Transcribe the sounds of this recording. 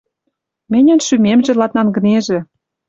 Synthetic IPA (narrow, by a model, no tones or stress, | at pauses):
mĕnʲə̆nʃymemʒĕlɑt̪nɑnɡə̆neʒĕ